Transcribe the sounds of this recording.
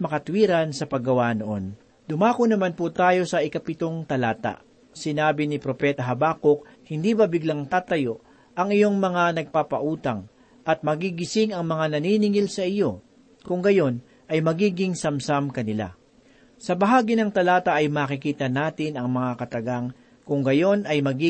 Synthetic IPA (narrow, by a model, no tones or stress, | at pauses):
mɐkɐt̪wiːɾɐnsɐpɐɡːɐwanoʔo̞n | d̪ʊmaːkonɐmanput̪aːjo̞sɐʔɪkɐpɪt̪o̞ŋt̪ɐlaːt̪a̰ | sɪnaːbɪnɪpɾo̞pɛt̪ɐɦɐbaːkok̚ | hɪnd̪iːbɐbɪɡlaŋt̪aːt̪ɐjo̞ʔ | ʔɐŋɪjo̞ŋmɐŋanɐɡ̚papɐʔuːt̪ɐŋ | ʔɐt̪̚mɐɡiɡɪsɪŋɐŋmɐŋanɐninɪŋɪlsɐʔɪjo̞ | kʊŋɡɐjo̞n | ʔɐjmɐɡiːɡɪŋsɐmsamkɐnɪla̰ | sɐbɐɦaːɡɪnɐŋt̪ɐlaːt̪ɐʔɐjmaːkɪkiːt̪ɐnaːt̪ɪnɐŋmɐŋakɐt̪ɐɡaŋ | kʊŋɡɐjo̞nɐjmɐɡi